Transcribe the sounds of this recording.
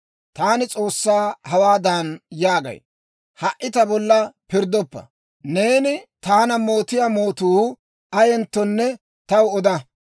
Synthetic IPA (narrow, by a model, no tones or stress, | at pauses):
t̪aːnɪt͡sʼo̞ːsːaːhɐwaːd̪aːnjaːɡɐ̰j | hɐʔːɪt̪ɐbɔlːɐpɪɾd̪ɔpːɐ̰ | ne̞ːnɪt̪aːnɐmo̞ːt̪ɪjamo̞ːt̪uː | ɐjɛnt̪ːɔnːɛ | t̪ɐwɔd̪ɐ